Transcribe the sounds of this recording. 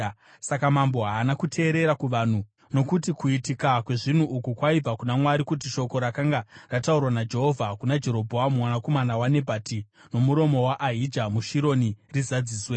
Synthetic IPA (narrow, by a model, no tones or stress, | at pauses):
sakamambo̞ɦaːnakutʰe̞ːɾe̞ɾakuʋan̤u | no̞kutikuitikakwe̞ʐin̤uʔukukwaib͡vakunamwaɾikut̬iʃo̞ko̞ɾakaŋɡarataurwanad͡ʒe̞ɦovʱakunad͡ʒe̞ɾo̞bʱoamumwanako̞manawane̞bʱati | no̞muɾo̞mo̞waʔaɦid͡ʒamuʃiɾo̞nirizad͡ziːswe̞